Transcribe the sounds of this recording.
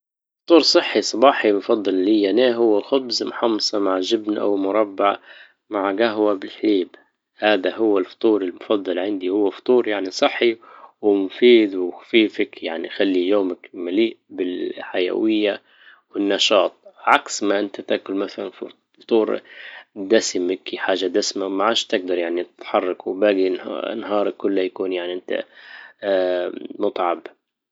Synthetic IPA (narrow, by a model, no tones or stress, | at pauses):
ft̪ˤuːɾsˤɨħːisˤɑbɑːħimfɑd̪ˤːɑllijaneːɦʊwːaxʊbzmħɑmsˤɑmaʕʒɪbnʔa̰wmʊɾˤɑbːaʕ | maʕɡaɦwabɪlħliːb | haːd̪aɦʊwːɪlfɑ̥t̪ˤuːɾɪlmʊfɑd̪ˤːɑlʕɪnd̪ihʊwːafɑ̥t̪ˤuːɾjaʕnisˤɨħːiwɪmʊfiːd̪wɪxḁfiːfakjaʕnixalːijoːmakmaliːʔbɪlħaja̰wɪjːa | wɪnːɑʃɑːt̪ˤʕaksmaʔɪnt̪at̪aʔkʊlmaθala̰n | ft̪ˤuːɾ | d̪asmɪkħaːʒad̪asmamaʕaːʃt̪ɪɡ̚d̪ɑɾˤjaʕnit̪ɪt̪ħɑrˤːɑkwbaːɡin̰nɦɑːɾˤɑkːʊlːajakuːnjaʕniʔɪnt̪a̰ | mʊt̪ˤʕɑb